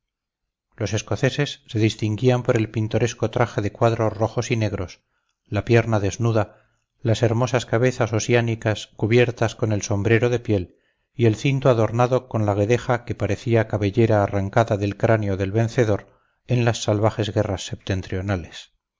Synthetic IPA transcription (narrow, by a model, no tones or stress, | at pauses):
lo̞se̞sko̞θe̞se̞sːe̞ðist̪iŋɡiampo̞ɾe̞lpint̪o̞ɾe̞sko̞t̪ɾaxe̞ðe̞kwaðɾoro̞xo̞sine̞ɣ̞ɾo̞s | lapje̞ɾnaðe̞znuða | lase̞ɾmo̞saskaβe̞θaso̞sianikaskuβje̞ɾt̪asko̞ne̞lso̞mbɾe̞ɾo̞ðe̞pje̞l | ie̞lθint̪oaðo̞ɾnaðo̞ko̞nlaɣ̞e̞ðe̞xake̞paɾe̞θiakaβe̞ʎe̞ɾaːraŋkaðaðe̞lkɾaneo̞ðe̞lβẽ̞nθe̞ðo̞ɾ | e̞nlasːalβaχe̞zɣe̞rasːe̞p̚t̪e̞nt̪ɾio̞nale̞s